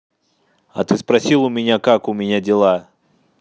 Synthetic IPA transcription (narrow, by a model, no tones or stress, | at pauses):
ɐ̰t̪ɨspɾɐsʲilˠʊmʲɪnʲakakʊmʲɪnʲadʲɪlˠa